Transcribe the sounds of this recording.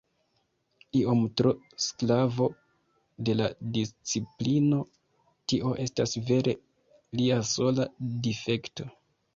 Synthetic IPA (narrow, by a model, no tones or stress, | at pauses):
io̞mtɾo | sklavo̞ | de̞la̰dist͡siplino̞ | tiʔo̞ʔe̞stasve̞ɾʔe̞ | liaso̞ladife̞kto̞